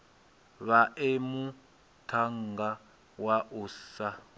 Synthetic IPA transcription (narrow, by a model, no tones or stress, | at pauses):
βaʔemu | tʰaŋɡa | waʔusa